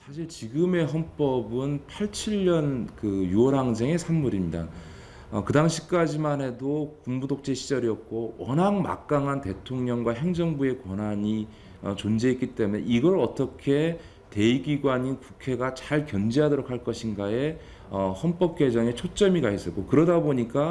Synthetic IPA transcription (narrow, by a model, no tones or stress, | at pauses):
sʰaɕʰiɭt͡ɕiɡɯme̞ɦʌnp͈ʌbɯnpʰaɭt͡ɕʰiʎːʌnkɯjuʌɾɦaŋs̬ʰe̞ŋe̞sʰamːuɾimɲida̰ | ʌkɯdaŋɕʰi̥k͈ad͡ʑimanɦe̞dokuŋbudok̚t͡ɕ͈e̞ɕʰid͡ʑʌɾiʌp̚k͈owʌnaŋma̰k̚k͈aŋɦante̞tʰoŋɲʌŋɡwaɦe̞ŋd͡ʑʌŋbue̞kwʌnaɲi | ʌt͡ɕond͡ʑe̞etk͈it͈e̞mune̞iɡʌɾʌt͈ʌkʰe̞ | te̞iɡiɡwaɲinkukʰe̞ɡat͡ɕaɭkjʌnd͡ʑeɦadʌɾok̚haɭk͈ʌɕʰinɡae̞ | ʌhʌnp͈ʌp̚k͈we̞d͡ʑʌŋe̞t͡ɕʰot͡ɕ͈ʌmiɡaes͈ʌk͈okɯɾʌdaboɲik͈a